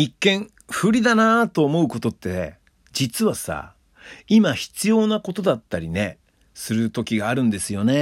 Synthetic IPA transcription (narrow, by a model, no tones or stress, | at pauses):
ikːẽ̞ɰ | ɸɯ̟ɾʲid̪anat̪o̞ːmo̞ɯ̟ko̞t̪o̞t̪ːe̞ | d͡ʑit͡sɨβasa̰ | imaçi̥t͡sɨjo̞ːnako̞t̪o̞d̪at̪ːaɾʲine̞ | sɨɾɯ̟t̪o̞kʲiɡaːɾɯ̟̃nd̪e̞sɨjo̞ne̞